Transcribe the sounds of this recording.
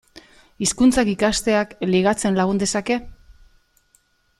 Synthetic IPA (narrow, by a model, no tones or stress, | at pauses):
iskunt͡sakikast̪e̞akliɣ̞at͡se̞nlaɣ̞und̪e̞sake̞